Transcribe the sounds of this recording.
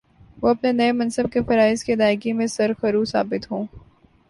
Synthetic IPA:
ʋoɐpnenɐemɐ̃nsəb̚kefɐɾaːɪzked̪aːɪkimẽsɐɾxɐɾuːsaːbɪt̪ɦũː

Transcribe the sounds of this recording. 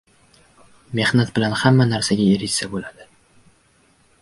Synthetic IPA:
me̞hnat̪̚bɪlanhamːanaɾsaɡʲaeɾɪsabolad̪ɪ

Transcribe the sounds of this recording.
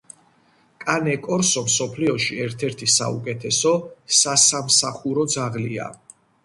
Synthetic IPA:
kʼanɛkʼɔɾsɔmsɔpʰliɔʃiɛɾt̪ʰɛɾt̪ʰisa̰ṵkʼɛt̪ʰɛsɔsasamsaχuɾɔd̪zaʁlia̰

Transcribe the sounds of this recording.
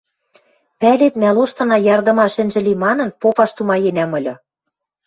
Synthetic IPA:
pælet̪mæloʃt̪ɤ̆nɑjɑrd̪ɤ̆mɑʃɘ̆nʒɘ̆limɑnɤ̆npopɑʃt̪umɑjenæmɤ̆lʲɤ̆

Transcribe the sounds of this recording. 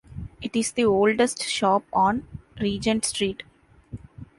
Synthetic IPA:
ɪʈɪzd̪ioːlɖesʈʃɔːpɔ̃ːnɾiːd͡ʒə̃ɳʈsʈɾiːʈ

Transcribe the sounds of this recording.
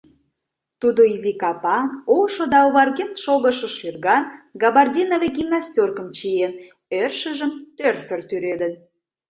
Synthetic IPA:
t̪ud̪oizikɑpɑŋkoʃod̪ɑoβɑrɣent̪ʃoɣəʃə̆ʃyrɣɑnɡɑβɑrdʲinoveɡʲimnɑsʲtʲorkəmt͡ɕien | ørʃə̆ʒəmt̪ørsərt̪yɾed̪ən

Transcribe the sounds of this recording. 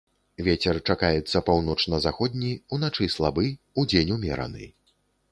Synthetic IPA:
vʲet͡sʲɛrt͡ʂakajɛt̪sːɐpawnɔt͡ʂnɐzaxɔd̪ʲnʲiunat͡ʂɨslˠabɨ | ud͡zʲenʲumʲɛ̰ɾɐ̰nɨ̰

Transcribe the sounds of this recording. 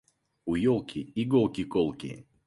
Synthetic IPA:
ujɔlˠkʲiiɡolˠkʲikolˠkʲḭ

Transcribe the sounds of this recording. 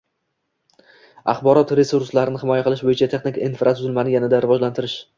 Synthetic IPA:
ɑ̰χbɒɾɒt̪ɾe̞suɾslaɾɪnɪhɪmɒjaqʰɨlˠɪʃbojɪt͡ʃʰat̪ʰe̞χnɪkʲinfɾʔat̪ʰʊzɪlmanɪjanɪd̪aɾɪvɒd͡ʒlant̪ʰɪɾɪʃ

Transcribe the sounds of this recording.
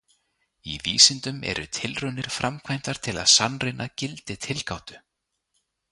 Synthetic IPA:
ḭviːsɪnt̪ʏmɛ̰ɾʏ̰t̪ʰɪlrʏnːɪɾ̥fɾʔamkʰvajm̥t̪aɾ̥t̪ʰɪla̰ðsanrɪnacɪlt̪ɪt̪ʰɪlkawt̪ʏ

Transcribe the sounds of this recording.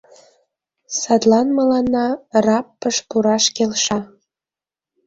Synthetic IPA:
sɑt̪lɑnməlɑnːɑrɑpːəʃpuɾɑʃkelʃɑ

